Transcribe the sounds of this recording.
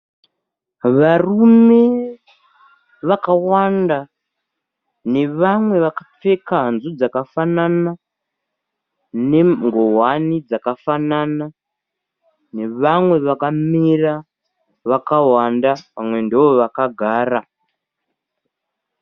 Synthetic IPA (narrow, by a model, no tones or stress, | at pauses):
ʋarume̞ | ʋakawanda | ne̞ʋamwe̞ʋakap͡fe̞kaɦanzud͡zakafanana | ne̞ŋɡoɦwanid͡zakafanana | ne̞ʋamwe̞ʋakamira | ʋakawandapamwe̞ndiʋo̞ʋakaɡʱaːra